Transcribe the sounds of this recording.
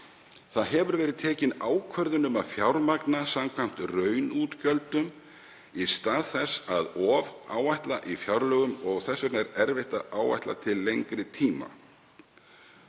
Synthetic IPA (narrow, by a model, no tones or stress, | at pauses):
θaðɦɛvʏɾvɛːɾɪðt̪ʰɛːcɪnaːwkʰvœɾðʏnʏmaðfjawɾmaknasamkʰvam̥t̪rœːɥnuːt̪cœlt̪ʏm | ist̪aːðθɛsːaðɔːvaːwajht̪laʔifjawɾlœɣʏmɔɣθɛsːʏt̪nɛɾɛɾvɛht̪aaːwva̰jht̪la̰t̪ʰɪlːejŋkɾɪt̪ʰiːma̰